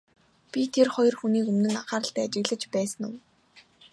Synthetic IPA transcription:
pʲit̪ʰerχɔjɞ̆rxuniːkɵmnɘ̆naχaːɾə̆ɬt̪æːat͡ɕɪ̆ɣɮə̆t͡ɕpæːsə̆nʊ̰̆w

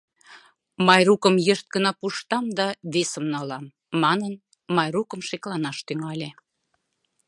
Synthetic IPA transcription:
mɑjrukəmjəʃt̪̚ɡənɑpuʃt̪ɑmd̪ɑβesəmnɑlɑmː | ɑnən | mɑjrukə̆mʃeklɑnɑʃt̪yŋɑlʲe

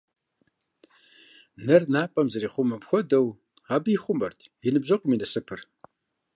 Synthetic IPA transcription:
nɐrnaːpʼɐmzɐɾiːχʷʊmɐpxʷɔdɐw | aːbiːχʷʊmɐrtʰjɪnɨbʑɐqʷʼʊmiːnɐsɨpʰɨr

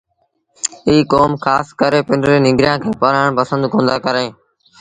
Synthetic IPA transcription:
iːkoːmkʰaːskəɾeːpɪnɾẽːnɪ̃ŋɡɾɪjãːkʰeːpəɾaːɳpəsə̃nd̪kõːnd̪aːkəɾẽː

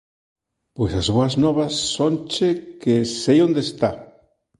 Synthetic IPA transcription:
pwejsazβoaznɔβasːont͡ʃekesejond̪est̪a

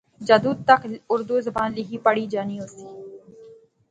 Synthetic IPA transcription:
d͡ʒɐd̪uːd̪̚t̪ɐkʊɾd̪uːzɐbaːnlɪɦiːpəɽiːd͡ʒaːniːosiː

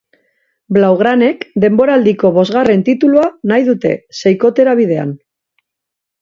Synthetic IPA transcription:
blawɣ̞ɾane̞kd̪e̞mbo̞ɾaːld̪iko̞βo̞zɣare̞nt̪it̪uluanajðut̪e̞̰se̞jko̞t̪e̞ɾaβ̞ið̞e̞a̰n

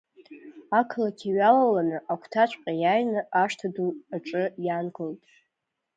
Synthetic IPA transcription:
akʰlakʲʰiɥalalanɨʔakʷʰtʰat͡ʃʷʰʼqʲʼajajnɨaʂtʰaduaʈ͡ʂʼɨjanɡɨltʼ

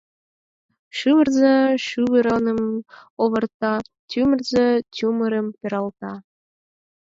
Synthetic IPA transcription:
ʃyβərzeʃyβəɾɤnəmoβɤ̆rt̪ɑ | tʲumərzetʲuməɾəmpeɾɑlt̪ɑ

